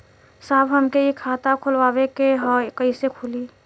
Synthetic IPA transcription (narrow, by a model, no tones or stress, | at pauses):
saːbɦəmkeikʰaːt̪akʰʊlʋaːwekeɦɔkəisekʰuli